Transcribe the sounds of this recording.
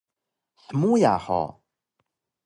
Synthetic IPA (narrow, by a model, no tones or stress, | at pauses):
θmuja̰ʕħɔ̰